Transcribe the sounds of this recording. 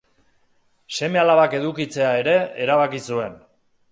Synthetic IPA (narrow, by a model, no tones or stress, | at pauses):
se̞me̞alaβake̞ðukit͡se̞ae̞ɾe̞eɾaβakisue̞n